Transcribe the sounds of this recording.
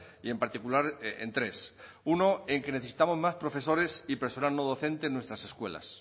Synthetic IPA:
ie̞mpaɾt̪ikulaɾḛnt̪ɾe̞s | uno̞eŋke̞neθesi̥t̪amo̞zmaspɾo̞fe̞s̬o̞ɾe̞sipeɾsonalnoðoθe̞nt̪enwe̞st̪ɾase̞skwe̞la̰s

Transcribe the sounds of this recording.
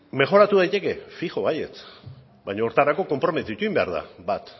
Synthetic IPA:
me̞ʝo̞ɾat̪uð̞ajt̪e̞ke̞fixo̞ajḛt͡s | bajɲooɾt̪aɾako̞ko̞mpɾo̞me̞t̪it̪uimbe̞a̰ɾð̞a̰bat̪

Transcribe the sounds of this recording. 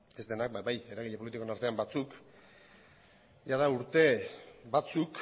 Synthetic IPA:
e̞zd̪e̞nak̚babaje̞ɾaɣ̞iʎepo̞lit̪ikonaɾt̪e̞ambat͡suk | ʝaðauɾt̪e̞bat͡suk

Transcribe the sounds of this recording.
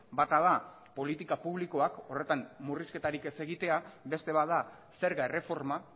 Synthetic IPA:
bat̪aða | po̞lit̪ikapuβ̞liko̞ako̞re̞t̪ammuriske̞t̪aɾike̞se̞ɣit̪e̞abe̞st̪e̞βaða | se̞ɾɣaere̞fo̞ɾma

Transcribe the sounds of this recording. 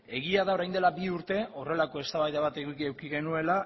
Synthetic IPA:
e̞ɣiaðao̞ɾajnd̪e̞labiuɾt̪e̞ʔo̞re̞lako̞e̞st̪aβajðaβat̪eɣikiewkiɣe̞nue̞la

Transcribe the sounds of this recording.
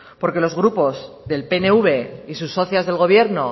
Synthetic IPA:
po̞ɾke̞lo̞zɣɾupo̞z | ðe̞lpe̞ne̞uβe̞isusːo̞θjazðe̞lɣo̞βje̞ɾno̞

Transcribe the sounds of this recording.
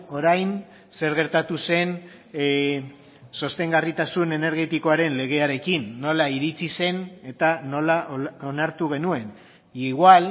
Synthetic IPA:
o̞ɾajn | se̞ɾɣ̞e̞ɾt̪at̪use̞n | so̞st̪e̞ŋɡarit̪asune̞ne̞ɾɣ̞e̞t̪iko̞aɾe̞nle̞ɣ̞e̞aɾe̞kinːo̞laiɾit͡sise̞ne̞t̪ano̞laʔonaɾt̪uɣ̞e̞nue̞n | iɣwal

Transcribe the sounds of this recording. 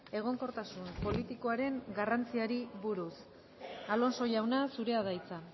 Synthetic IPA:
e̞ɣ̞o̞ŋko̞ɾt̪asumpo̞lit̪iko̞aɾe̞ŋɡarant͡siaɾiβuɾus | alo̞nso̞jawnasuɾe̞aðajt͡sa

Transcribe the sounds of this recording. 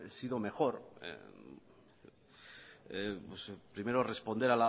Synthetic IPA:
esiðo̞me̞xo̞ɾḛ | epwespɾime̞ɾo̞re̞spo̞nd̪eala

